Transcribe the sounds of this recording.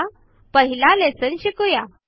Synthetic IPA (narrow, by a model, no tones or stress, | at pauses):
pəɦilalet͡sənɕikuja